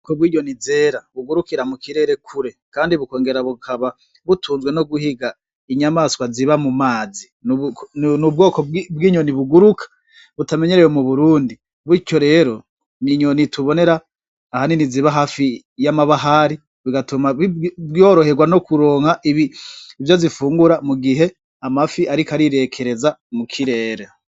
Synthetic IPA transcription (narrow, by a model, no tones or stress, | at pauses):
kobwiːɟonize̞ːɾaβuɡuɾukiɾamukiɾe̞ːɾe̞kʰuɾe̞kaːndiβuko̞ːŋɡe̞ɾaβukʰaβa | βutʰuːnzɡwe̞no̞ɡuhiɡa | iɲamaːskwaziβamumaːzinnub̚ɡo̞ːkobɡiːɲo̞niβuɡuɾukʰḁ | βutame̞ɲe̞ɾejo̞muβuɾuːndi | βico̞ɾe̞ːɾo̞ | niɲo̞nitʰuβo̞ne̞ɾaː | haniniziβaɦaːfi | jamaβaɦaɾi | βiɡatumaβbo̞ːɾo̞he̞ɡwano̞kuɾo̞ːŋhaʔiβiivjo̞zifuːŋɡuɾamuɡiɦe̞ | amafiʔaɾikaɾiɾe̞kʰe̞ɾe̞zamukʰiɾe̞ːɾe